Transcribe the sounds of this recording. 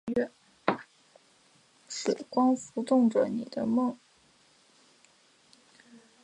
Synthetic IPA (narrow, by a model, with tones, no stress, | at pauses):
ɛ˥˩ | ʂɻ̩˨˩kwɑ˥ŋfu˧˥t̪ʊ˥˩ŋʈ͡ʂə˩ni˨˩d̪ə̰˦mɤ˥˩ŋ